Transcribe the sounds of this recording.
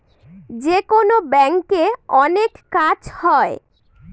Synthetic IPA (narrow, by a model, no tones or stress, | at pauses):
d͡ʑekonobɛŋkeɔnekːad͡ʑhɔe